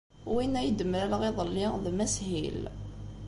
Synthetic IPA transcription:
winːæjəd̪əməɾælʁeðˤəlːiðmæshḭl

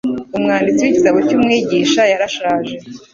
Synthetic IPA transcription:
umŋaːndit͡siwicitaβocuːmŋiːɟiːʃajaɾaʃaːʒe̞

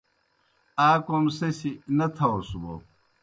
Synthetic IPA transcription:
aːkomsesinɐt̪ʰɐosubo̰

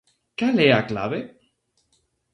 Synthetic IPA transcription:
kaleakla̰βe

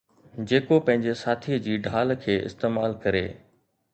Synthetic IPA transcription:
d͡ʑeːkopɐ̃ɦɪ̃ɲd͡ʑesaːt̪ʰiəd͡ʑiːɖʱaːlkʰeːʔɪ̰st̪eːmaːlkɐɾḛː

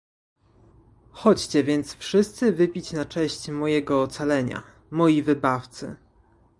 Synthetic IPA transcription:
xɔt͡ɕt͡ɕɛvʲjɛnt̪sfʂɘst̪sɘvɘpʲit͡ɕnat͡ʂɛɕt͡ɕmɔjɛɡɔːt̪salɛɲa̰ | mɔjivɘbaft̪sɘ̰

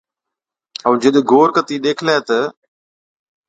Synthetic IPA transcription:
əũːd͡ʒəɗɡʱoːɾkət̪iːɗ̪eːkʰlaːt̪ə

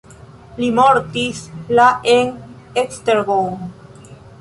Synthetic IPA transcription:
limoɾt̪islaʔeŋ | ekst̪eɾɣoŋ

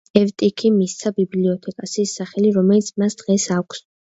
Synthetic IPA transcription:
ɛvt̪ʼikʰimist̪sʰabibliɔt̪ʰɛkʼasiːsːaχɛliɾɔmɛlit̪sʰmasd̪̥ʁɛsakʷʰs

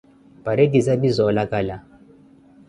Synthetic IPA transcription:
paɾedizabizɔlakala

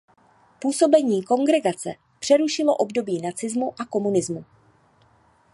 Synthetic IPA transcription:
puːso̞bɛɲiːko̞ŋɡɾɛɡat͡sɛ̰ | pr̥ɛɾuʃɪlo̞ʔo̞bdo̞biːnat͡sɪzmuʔako̞munɪzmu

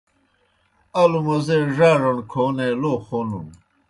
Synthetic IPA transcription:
ɐlumɐzeʐaːʐonkʰoːneloːxonṵn

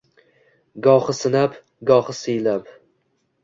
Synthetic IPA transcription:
ɡɒχɨsɪnap | ɡɒχɨsɪjlap

